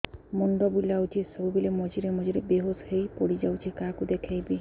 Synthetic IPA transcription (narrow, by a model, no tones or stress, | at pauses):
mɔnɖ̪ɔbulawt͡ʃʰisɔbubilemɔd͡ʒiɾemɔd͡ʒiɾebeɦoshejpɔɽid͡ʒawt͡ʃʰikakud̪ekʰajbi